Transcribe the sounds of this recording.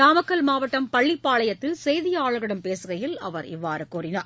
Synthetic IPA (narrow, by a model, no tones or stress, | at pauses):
aːmɐkːɐlmaːʋɐʈːɐmpɐɭːɪpːaːɭɐjɐt̪ːɪlsɛjðɪjɐaːɭɐɣɐɽɐmpeːsɯɣɐjɪlɐ̰ʋɐɾɪ̰ʋːaːɾɯkuːɾɪnaːɾ